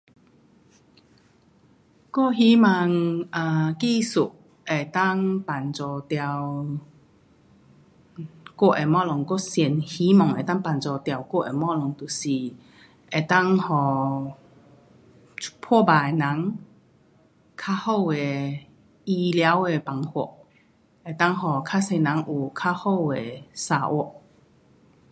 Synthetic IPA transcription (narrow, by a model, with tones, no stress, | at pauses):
ko˥˨ɦi˨˦ma˧ŋa˨˩ki˥˧su˨˩ʔ | e˨˩t̪a˥˨ŋpa˨˩nt͡sɔ˨˩t̪ja˧˩w | kwɔ˥˩ʔe˨˩mɔ˥˧lɔ˨ŋko˥sjɛ˨˩nhi˨˦mɔ˨˩ŋe˨˩t̪a˥˩ŋpa˨˩nt͡sɔ˨t̪ja˨˩wkɔ˥˩ʔe˨mɔ˥˨lɔ˨˩ŋt̪u˨˩si˨˩ | ʔe˨˩t̪a˥˧˨ŋhɔ˨˩ | pʰɔ˥˧˨ba˨˩e˨nã˨˦ŋ | kʰa˥ho˥˧˨we˨˩ | i˧lja˧˦we˨pa˨˩ŋhɔ˧˩˦ʔ | e˨˩t̪a˥˨ŋɦɔ˨˩kʰa˥se˧nã˨˦ŋʔu˨˩kʰa˥ho˥˧˨we˨sa˧ʔwɔ˧˩˦ʔ